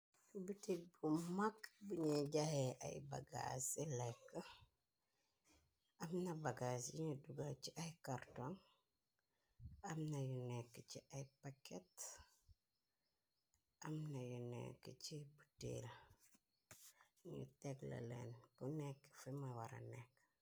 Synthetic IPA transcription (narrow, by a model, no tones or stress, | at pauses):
butibumakbuɲiɟahɛʔɐ̰jba̰ɡa̰silɛkːə | ɐmnɐbaɡasjiɲəduɡat͡ʃiʔɐjkartɔŋ | ɐmnɐjunɛkːəciʔɐjpakɛt | ɐmnɐjunɛ̰kːəcibutḛl | ɲṵtɛɡlɐ̰lɛ̰nbunɛkːə̥fimawaɾɐ̰nɛkː